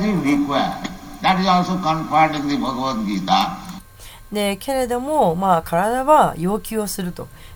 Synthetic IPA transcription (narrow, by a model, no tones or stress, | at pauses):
t̪iɾikʋaʈd̪æʈizɔːlsoːkə̃mpaɾɖĩŋd̪ibʱɐɡʋə̃nt̪̚ɡiːt̪a | ne̞kʰe̞ɾe̞d̪o̞mo̞maːkʰaɾad̪aβajo̞ːkʲɨːosɨɾɯ̟t̪o̞